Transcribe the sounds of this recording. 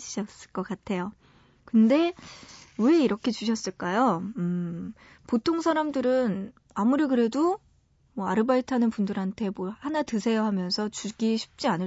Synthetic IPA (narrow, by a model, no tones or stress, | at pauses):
iɕʰʌs͈ɯ̥ɭk͈ʌkatʰe̞jo | kɯnde̞ | weiɾʌkʰe̞t͡ɕuɕʰʌs͈ɯɭk͈ajoɯ | potʰoŋsʰaɾamdɯɾɯn | amuɾikɯɾe̞do | mwʌaɾɯbaitʰanɯnpundɯɾɦantʰe̞mʌhanatɯsʰe̞jʌɦamjʌnsʰʌt͡ɕuɡiɕʰi̥p̚t͡ɕ͈ianɯ